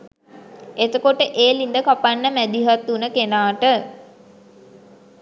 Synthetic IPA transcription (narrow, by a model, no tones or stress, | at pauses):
et̪əkoʈəʔeːlind̪əkapanːəmæd̪iɦat̪ːunəkenaːʈə